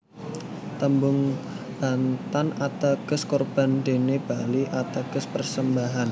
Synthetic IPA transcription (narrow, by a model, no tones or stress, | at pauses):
t̪əmbʊŋ | b̥ant̪anat̪aɡ̥əskɔrb̥a̤nde̤neb̥aliʔat̪aɡ̥əspərsəmbaɦan